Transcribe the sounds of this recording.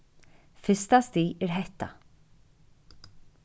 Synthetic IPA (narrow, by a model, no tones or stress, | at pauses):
fʏst̪ast̪iːɛɾɦɛht̪ːa̰